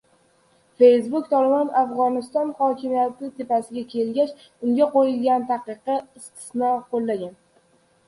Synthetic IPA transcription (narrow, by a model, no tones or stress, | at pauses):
fe̞jsbʊk̚ʲt̪ʰɒlɪbɒnafʁɒnɪst̪ɒnhɒkʲʰɪmijat̪ɪt̪ʰɪpasɪɡʲakʲʰe̞lɡʲat͡ʃ | ʊŋɡʲaqojɪlɡʲant̪ʰaqɨqɨɪst̪ʰɪ̥snɒqʰolːaɡʲan